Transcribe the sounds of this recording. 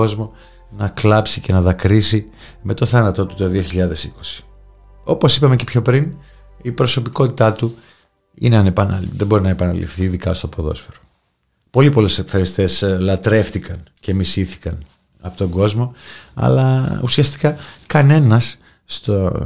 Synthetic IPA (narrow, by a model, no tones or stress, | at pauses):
ozmo̞ | nɐklɐpsice̞nɐðɐkɾisime̞t̪o̞θɐnɐt̪o̞t̪u̥t̪o̞ðio̞çiʎɐðe̞siko̞̥si̥ | o̞po̞sipɐme̞cepço̞pɾin | ipɾo̞so̞piko̞t̪i̥t̪ɐt̪u | ḭneɐnepɐnɐ̰ðebo̞ɾinɐepɐnɐ̰lḭfθiːðikɐost̪o̞poðo̞̰sfeɾo̥ | po̞lipo̞lesekfeɾist̪e̞slɐt̪ɾe̞ft̪ikɐnce̞misiθi̥kɐn | ɐ̰pot̪o̞ŋɡo̞zmo̞ɐ̰lɐṵsiɐst̪i̥kɐkɐne̞nɐsː | t̪o